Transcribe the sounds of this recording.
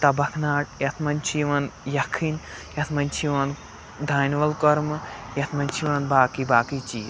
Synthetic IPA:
t̪ɐbɐkʰnaːʈ̚jɐt̪ʰmɐnʲt͡ʃʰiʋɐnjɐkʰin | jɐt̪ʰmɐnʲt͡ʃʰiʋɐn | d̪ʱaːnʲʋɐlkɔɾmɨjɐt̪ʰmɐnʲt͡ʃʰiʋɐnbaːkibaːkit͡ʃiː

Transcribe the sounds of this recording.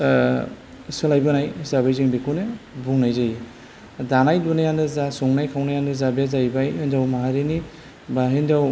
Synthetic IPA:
sɯlajbɯnajzaβajziŋbekʰunebuŋnajzaj | danajdunajandɯzasɔŋnajkʰawnajandɯzabezajbajɯndawmaɦaɾini | baɦindaw

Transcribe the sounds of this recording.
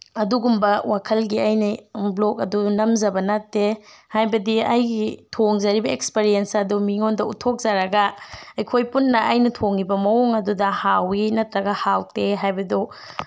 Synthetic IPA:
ɐduɡumbɐwakʰɐlɡiajniblok̚ɐdunɐmzɐbɐnatːehajbɐdiajɡitʰoŋzaɾibɐekspeɾiensɐdumiŋondɐutʰok̚zaɾɐɡɐejkʰojpunːɐʔajnɐtʰoŋibɐmɐoŋɐdudɐhawinɐtɾɐɡɐhawteɦajbɐdu

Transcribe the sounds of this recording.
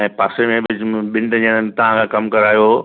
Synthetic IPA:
ɛ̃ːpaːsemẽbɪd͡ʑɓɪ̃ɳɖd͡ʑiəɽ̃ət̪ɐʋ̤ãkʰãːkɐmkɐɾaːjo

